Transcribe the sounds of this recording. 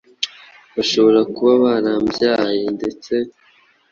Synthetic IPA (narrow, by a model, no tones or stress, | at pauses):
βaʃo̞βo̞ɾakuβaβaɾaːmbjajende̞t͡se̞